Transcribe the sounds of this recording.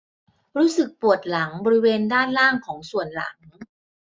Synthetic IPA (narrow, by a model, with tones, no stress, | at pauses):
ɾuː˦˥sɯ˨˩k̚pu˨˩ət̪̚la˩˦ŋbɔː˧ɾi˦˥weː˧ndaː˥˩nlaː˥˩ŋkʰɔː˩˦ŋsu˨˩ənla̰˨˩˦ŋ